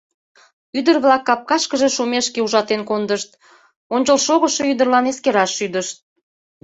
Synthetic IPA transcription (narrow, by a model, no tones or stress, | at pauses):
yd̪ərβlɑkːɑp̚kɑʃkəʒeʃumeʃkeuʒɑt̪enkond̪əʃt̪̚ | onʲt͡ɕəlʃoɣəʃeyd̪ərlɑneskeɾɑʃːyd̪əʃt̪̚